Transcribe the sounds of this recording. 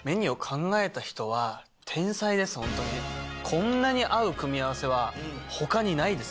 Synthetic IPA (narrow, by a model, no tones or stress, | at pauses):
me̞ɲ̟io̞kʰãŋɡae̞t̪açi̥t̪o̞β̞a | t̪ʰẽ̞ɰ̃said̪e̞sɨ̥hõ̞nt̪o̞ɲikʰõ̞nːaɲ̟iʔaɯ̟kɯ̟mʲiaβase̞β̞aho̞kaɲ̟inaid̪e̞s